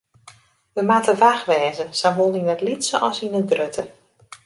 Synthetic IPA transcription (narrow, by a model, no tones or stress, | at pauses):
ʋəmatəvaxʋɛːzəsanbolˠiŋnɛtlitsəʔɔsinədrøtʰə